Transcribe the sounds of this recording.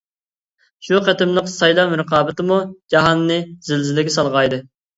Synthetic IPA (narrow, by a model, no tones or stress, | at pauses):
ʃuqɛt̪ɪmlˠəqsɑjlˠɑmɾəqɑːbɪt̪ɨmud͡ʒɑɦɑnːɨz̥ɪlzɪlɪɡʲɛsɑlˠʁɑjd̪ɨ